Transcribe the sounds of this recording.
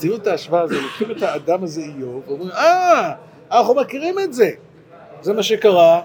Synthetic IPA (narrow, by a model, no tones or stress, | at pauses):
sinut̪aːʃvaazelokime̞t̪haːd̪amhazeijoveomʁima | anaχnumakiʁimetze̞ | ze̞maʃe̞kaʁa